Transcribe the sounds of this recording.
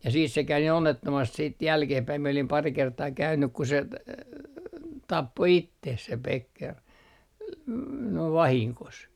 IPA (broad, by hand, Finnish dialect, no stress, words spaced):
jɑ siːs se kæy niː onːetːomɑst siːt jælkehpæi mie olim pɑri kertɑː kæynːyk ku se tɑpːo itːeh se pekːer n noiʋ ʋɑhiŋkos